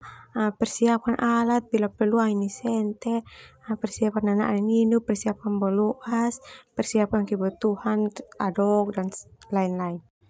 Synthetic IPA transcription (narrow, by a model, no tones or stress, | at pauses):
pɛrsiap̚kanʔalat̪̚bilapɛrluaŋinisɛnt̪ɛpɛrsiap̚kanana̰ʔniŋinupɛrsiap̚kanbɔlɔʔaspɛrsiap̚kankibɔt̪uhanadɔk̚danlainlain